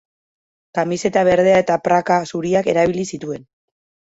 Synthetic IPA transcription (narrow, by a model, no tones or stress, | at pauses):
kamise̞t̪aβ̞e̞ɾð̞e̞ae̞t̪apɾakasuɾiake̞ɾaβilisit̪ue̞n